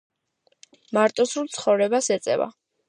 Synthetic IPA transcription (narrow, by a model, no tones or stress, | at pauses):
maɾt̪ʼɔsɾulˠt̪sʰχɔvɾɛbasɛt̪sʼɛ̰va̰